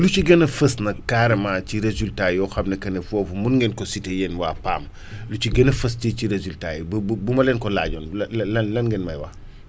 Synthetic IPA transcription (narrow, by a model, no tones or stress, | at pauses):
luciɡɐnɐfəsnɐkaːɾɐmat͡ʃiɾezultajɔːxɐmnɐkɐnɐfɔːfumunŋɡɛnkɔsitejɛnwa̰ːpa̰ːm | luciɡɐnɐfɐsticiɾezultaːjibbbumɐlɛːnkɔla̰ːɟɔːnlllɐnlɐnɡɛnmɐjwa̰